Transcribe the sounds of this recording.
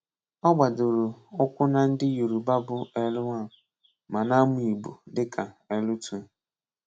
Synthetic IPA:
ɔ˦ɡ͡ba˨dʊ˨ɾʊ˨ɔ˦kʷʊ˦na˨n̩˦dɪ˦ju˨ɾu˨ba˦bʊ˦ɛ˦lʊ˦a˦˨ | ma˨na˦mu˦i˨bu˨dɪ˦kʰa˨e˦lʊ˦tʰu˦

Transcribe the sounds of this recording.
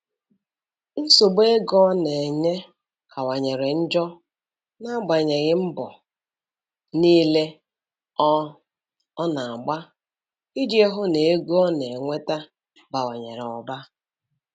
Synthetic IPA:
n̩˦so˨ɡ͡be˦ɡɔ˦ne˨ɲe˦ | kʰa˨wa˨ɲe˨ɾe˨n̩˦d͡ʒɔ˦ | na˦ɡ͡ba˨ɲe˨ɣɪ˦m̩˦bɔ˨ | niː˦le˦ | na˨a˨ɡ͡ba˦ | ɪ˦d͡ʒi˦e˦ɦʊ˦ne˨e˦ɡɔ˦ne˨ŋʷe˦ta˦ | ba˨wa˨ɲe˨ɾɔ˨ba˦

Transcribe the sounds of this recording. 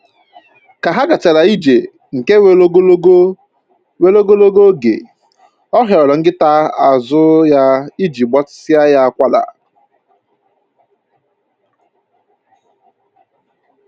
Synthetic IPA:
ka˨ɦa˦ɡa˨t͡ʃa˨la˨i˦d͡ʒe˨ | ŋ̩˨ke˦we˦lo˦ɡo˦lo˦ɡo˦ | we˦lo˦ɡo˦lo˦ɡo˦ɡḛ˨ | ɔ˦ɦjɔ˨lɔ˨ŋ̩˦ɡɪ˦ta˦a˨zʊ˦ja˦i˦d͡ʒi˨ɡ͡bɔ˦tsɪ˦a˦ja˦a˦˨kʷa˦la̰˨

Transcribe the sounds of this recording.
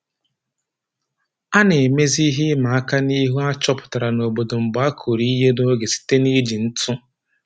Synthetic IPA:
a˦ne˨me˦zi˦ɦi˦ma˨a˦ka˦ni˦ɦu˦a˦t͡ʃɔ˦pʊ̥˨ta˨ɾa˨no˨bo˨do˨m̩˨ba˦kʰo˨ɾi˦ɦe˦no˦ɡe˨si̥˦te˦ni˦d͡ʒi˨n̩˦tʰʊ˦

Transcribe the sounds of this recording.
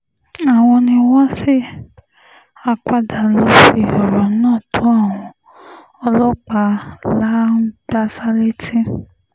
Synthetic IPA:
a˨w̃ɔ̃˧nĩ˧wɔ˦si˦ | a˧ka˦˨da˨lo˨˦ʃi˧ɔ˨ɾɔ˨˦nãː˦˨tʰõ˨˦a˦˨w̃ɔ̃˧ | ɔ˧lɔ˦k͡pa˧la˦ɡ͡ba˧sa˧le˦ti˦

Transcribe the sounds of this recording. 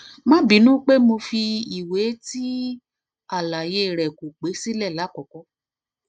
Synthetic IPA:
mã˦bi˨˦nũ˦k͡pe˦mo˧fi˧i˨we˨˦ti˦ | a˦˨la˨je˧˦˨ɾɛ˨ku˨k͡pe˨˦si˦lɛ˦˨la˨˦kɔ˨kɔ˧˦

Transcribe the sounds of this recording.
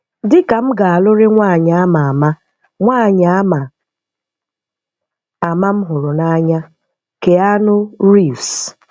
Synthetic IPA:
dɪ˦ka˨m̩˦ɡa˨a˨lʊ˦ɾe˦ŋʷaː˦˨ɲa˨a˦ma˨a˨ma˦ | ŋʷa˦˨ɲa˨a˦ma˨ | a˨ma˦m̩˦ɦʊ˨ɾʊ˨na˦ɲa˦ | ke˨a˦nʊ˦ɾi˦˨fs

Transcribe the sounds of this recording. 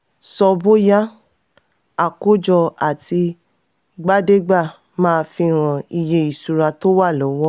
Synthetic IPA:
sɔ˧bo˦ja˦ | a˨ko˦d͡ʒɔ˧a˨ti˧ | ɡ͡ba˦de˦ɡ͡ba˦˨ | mãː˦˧fĩ˧˨ɾ̃ã˨i˧˨je˧i˨su˨ɾa˧to˦wa˦˨lɔ˨˦wɔ˦

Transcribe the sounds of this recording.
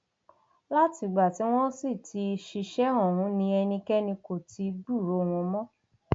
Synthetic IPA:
la˦ti˧˨ɡ͡ba˨ti˨˦w̃ɔ̃˦si˦˨tʰi˧ʃi˧ʃɛ˦ɔ̃˨w̃ũ˨˦nĩ˧˦ɛ˧nĩ˧kɛ˦nĩ˧ko˨tʰi˨˦ɡ͡bu˦˨ɾo˨˧w̃ũ˧mɔ̃˦

